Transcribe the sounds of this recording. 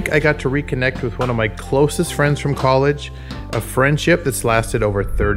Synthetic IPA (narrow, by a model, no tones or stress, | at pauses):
kaɪɡɑtʰəɹikʰɨnɛk̚t̚wɨðwʌ̃nʌvmaɪkʰl̥oʊsɨstfɹɛ̃ndz̥fɹʌ̃mkʰɑlˠɪd͡ʒ | ʔəfɹɛ̃nd̥ʃɪp̚ðɨtslæstɨɾoʊvə˞θɜ˞ɾ